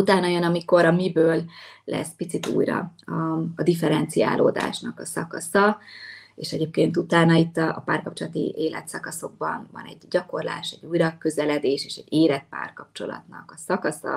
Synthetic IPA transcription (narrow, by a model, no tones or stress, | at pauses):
ut̪aːnjonɒmiko̞ɾɒmibøːlːɛ̰spit̪sit̪ṵːjrɒ̰ɒːd̪ifɛɾɛnt̪sija̰ːlʔoːd̪a̰ːʃnɒkɒsɒkɒsɒ | eːʃɛɟeːp̚keːnt̪ut̪aːnɒit̪ːɒːpaːrkɒp̚t͡ʃo̞lɒt̪ḭʔeːlɛ̰t̪sɒkɒso̞ɡ̚bɒnvɒ̰nɛ̰ɟɟɒko̞rla̰ːʃɛɟːuːjrɒkøzɛlɛd̪eːʃeːʃɛɟeːɾɛt̪̚pa̰ːrkɒp̚t͡ʃo̞̰lɒ̰t̪nɒ̰kɒsɒkɒsɒ̰